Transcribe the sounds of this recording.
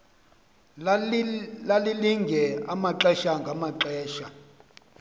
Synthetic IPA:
laliliŋɡʱɛamaǁɛʃaŋɡʱamaǁɛːʃa

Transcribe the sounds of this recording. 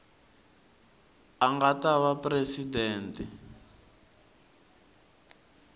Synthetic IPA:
aŋɡataβapresidɛːntɛ

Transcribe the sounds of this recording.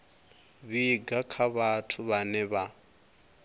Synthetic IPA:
βiɡakʰaβatʰuβanɛβa

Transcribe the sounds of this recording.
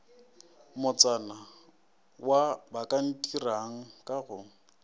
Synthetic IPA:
mʊt͡sʼana | wabakʼan̩tʼiraŋ̩kʼaɣʊ

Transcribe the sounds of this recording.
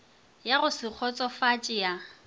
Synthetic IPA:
jaɣʊsɪk͡xʰɔt͡sʼɔfat͡ʃʼɪa

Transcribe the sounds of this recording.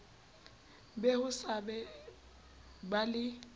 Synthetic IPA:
bɛhʊsabɛ | balɪ

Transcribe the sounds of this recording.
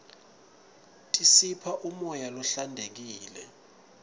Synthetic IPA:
tʼisipʰaʔumɔjalɔɬandʱek̬iːlɛ

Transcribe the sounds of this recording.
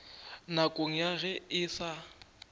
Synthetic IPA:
nakʼoŋ̩jaɣɛɪsa

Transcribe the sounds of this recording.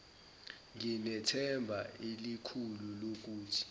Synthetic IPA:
ŋinɛtʰɛmbʱailikʰululok̬uːtʰi̥

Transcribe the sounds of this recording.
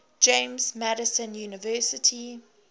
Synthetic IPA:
d͡ʒẽmzmæɾəsə̃njuːnɪvɜːˑsɪtʰi

